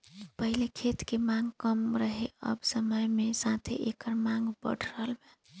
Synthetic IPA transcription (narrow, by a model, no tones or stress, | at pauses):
pəɦilekʰet̪kemãŋɡkəmɾəɦeə̰bsəməjmesat̪ʰḛʔekəɾmãŋɡbə̰ɽ̤ʰʱɾəɦəlme